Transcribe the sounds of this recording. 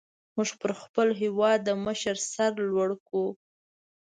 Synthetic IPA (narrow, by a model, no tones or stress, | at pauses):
muʒpəɾxpəlɦewɑd̪ːəməʃəɾsaɾlwaɽku